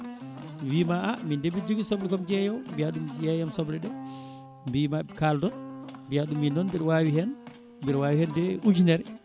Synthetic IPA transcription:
wimaʔamindebid͡ʒuɡisɔblɛkɔmd͡ʒɛjɔwmbiaɗumjɛjamsɔblɛɗɛ | biːmakaldɔnbijaɗumːindɔnbiɾwawihɛn | mbiɾwaːwihɛndɛʔud͡ʒinɛɾ

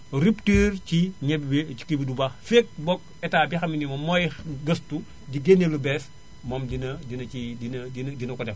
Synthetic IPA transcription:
ɾiptiːrt͡ʃiɲɛbi̥kibidubaxfek̚bɔk̚ | ɛtaːbixɐminimɐmɔjɡɐstu | ɟiɡenelubɛs | mɔmdinɐdinɐidinɐdindinɐkɔdɛm

